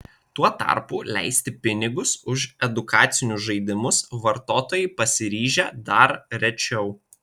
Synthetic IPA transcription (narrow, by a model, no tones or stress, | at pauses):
t̪uɔt̪ɐ̰ɾpuːlʲæ̰ɪsʲt̪ʲɪpʲɪnʲɪɡʊsʊʃɛd̪ʊkɑːt̪sʲɪnʲʊsʒɐɪd̪ʲɪmʊsʋɐɾt̪oːt̪oːjɛɪpɐsʲɪɾʲiːʒʲɛd̪ɐɾɾʲɛt͡ʃʲɛʊ